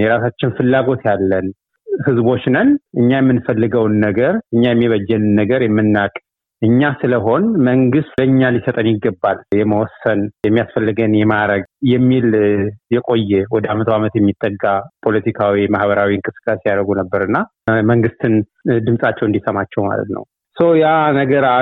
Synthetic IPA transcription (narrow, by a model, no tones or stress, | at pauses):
jɛɾasat͡ʃːɪnfɨlːaɡo̞t̪jalːən | hɨzbo̞t͡ʃːnənʔɨɲːajɛmːɨnfəlːɨɡəwnːəɡəɾɨɲːajɛmːiβəd͡ʒːɛnɨnːəɡəɾjɛmːɨnːakʼ | ʔɨɲːasɨləɦo̞nməŋɡɨst̪bəɨɲːalisət̪ʼənjɪɡːəbːaljɛməwɔsːənjɛmːijasfəlːɨɡənjɛmaɾəɡjɛmːiljɛkʼo̞jːɛwɔd̪əamət̪ʰəwamət̪jɛmːit̪ʼːəɡːapʰo̞lət̪ʰikʰawimahbəɾawiɨŋkʼɨsɨ̥kʼːasijaɾəɡunəbːəɾɨnːa | məŋɡɨst̪ʰɨn | d̪ɨmsʼat͡ʃːɛwɨnd̪isəmat͡ʃːɛwma̰lə̰t̪nə̰w | səwjanəɡəɾa